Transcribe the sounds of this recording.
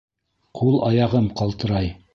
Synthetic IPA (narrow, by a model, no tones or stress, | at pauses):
qʰulˠɑjɑʁɤmqɑlˠt̪ɤ̆ɾɑj